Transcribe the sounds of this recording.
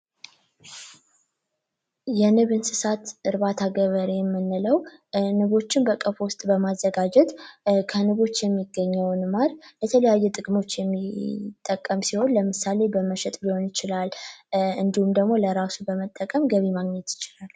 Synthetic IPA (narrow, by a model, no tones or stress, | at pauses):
jɛnɨβɨnsɨsat̪ɨɾbat̪ʰaɡəβəɾejɛmːɨnːɨləwnɨβo̞t͡ʃːɪnbəkʼəfwʊst̪ʼbəmazːəɡad͡ʒɛt̪kʰənɨβo̞t͡ʃːjɛmːiɡːəɲːəwnmaɾjɛt̪ʰələjajːɛt̪ʼɨkʼmo̞t͡ʃːjɛmːit̪ʼːəkʼːəmsiho̞nləmɨsale̞bəməʃɛt̪ʼbiho̞njɪt͡ʃɪlalɨnd̪ihumd̪əɡmo̞ləɾasubəmət̪ʼːəkʼəmɡəβimaɡɲɛt̪jɪ̥t͡ʃɪlal